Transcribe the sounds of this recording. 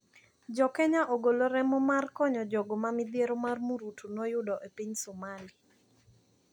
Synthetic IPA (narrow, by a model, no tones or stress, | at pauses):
d͡ʒɔkɛɲaʔoɡoloɾɛmɔmarkɔɲɔd͡ʒɔɡomamɪd̪jeɾomarmuɾutunɔjʊdɔʔepiɲsɔmali